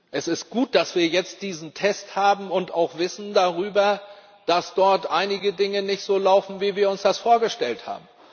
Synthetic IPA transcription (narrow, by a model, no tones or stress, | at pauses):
ʔɛsɪst̚ɡ̥uːt̚d̥asv̥iːɐjɛt͡std̥iːzn̩tʰɛsthaːbm̩ʊntaʊxv̥ɪsn̩daʁyːbɐ | d̥asd̥ɔɐtʔaɪnɪɡədɪŋənɪçtz̥oːlaʊfn̩viːviːɐʊnsd̥asfoːɐɡəʃtɛltha̰ːbm̩